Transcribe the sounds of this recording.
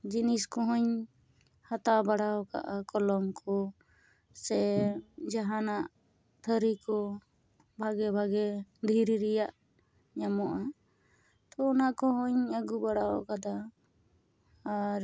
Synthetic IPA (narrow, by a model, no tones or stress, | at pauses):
d͡ʒiniskɔɦɔɲ | hat̪abaɽaɔka̰ʔakɔlɔmkʰɔ | sɛd͡ʒaɦanaʔ | t̪ʰəɾikɔ | bʱaɡɛbʱaɡɛd̪ʱiɾiɾɛjaʔ | ɲamɔʔa | t̪ɔɔnaʔkɔɦɔɲəɡubaɽaɔkad̪a | ɾ